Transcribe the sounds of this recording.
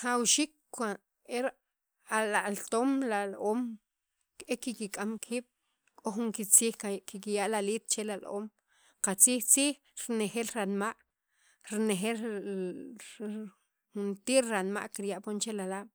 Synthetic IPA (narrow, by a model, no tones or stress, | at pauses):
χawʃiːkʷ | a | eɾ | alaʔlt̪oːmlaloːm | kekikikʼamkʰiːɓ̥ | kʼoχuŋkit͡siːxkikijaʔlaliːt̪̚t͡ʃelalʔo̰ːm | qat͡siːxt͡siːx | ɾnexelɾanmaʔ | ɾnexel | xunt̪iːɾɾanma̰ʔkiɾjaʔpont͡ʃelalaːɓ̥